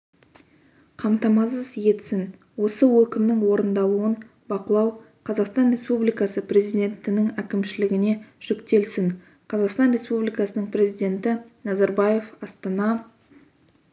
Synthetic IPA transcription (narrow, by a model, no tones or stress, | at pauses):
qʰɑmt̪ɑmɑsəzje̞t̪sɪn | wo̞səwɵkʲɪmnɪŋwo̞ɾənd̪ɑlˠuən | bɑqəlˠɑw | qʰɑzɑqst̪ɑnrʲe̞spublijkɑsəpre̞zijd̪ʲe̞nt̪ɪnɪŋækʲɪmʃɪlɪɡʲɪne̞ʒ̥ʏkt̪e̞lsɪŋ | qʰɑzɑqst̪ɑnrʲe̞spublijkɑsənəɴprʲe̞zijd̪ʲe̞nt̪ɪnɑzɑɾbɑje̞fɑst̪ɑnɑ